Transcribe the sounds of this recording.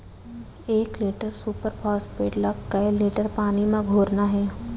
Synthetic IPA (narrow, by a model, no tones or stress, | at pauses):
eːkliːʈəɾsuːpəɾpʰɔːspeːʈlɐɡkɐjliːʈəɾpaːnimẽɡʱoːɾnaɦɛː